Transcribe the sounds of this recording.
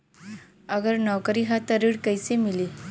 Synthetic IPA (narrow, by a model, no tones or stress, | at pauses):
əɡəɾnɔwkəɾiɦat̪əɾiɽkəjsemili